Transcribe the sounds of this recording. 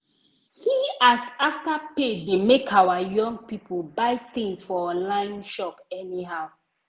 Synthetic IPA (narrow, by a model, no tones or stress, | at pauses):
hiasaftapedemekʰawajɔ̃ŋɡ̚pipʰəbaɪt̪ĩŋsfɔɔ̃nlãɪ̃nʃɔpɛniɦaʊ